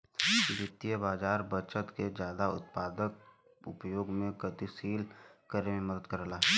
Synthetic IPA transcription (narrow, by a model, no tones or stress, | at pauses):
iʋɪt̪ijəbaːd͡ʒaːɾbət͡ʃət̪ked͡ʒjaːd̪aʊ̰t̪̚paːd̪ək̚ | ʊpjoːɡmẽɡət̪isiːlkəɾemẽməd̪əd̪kəɾlaːɦɛː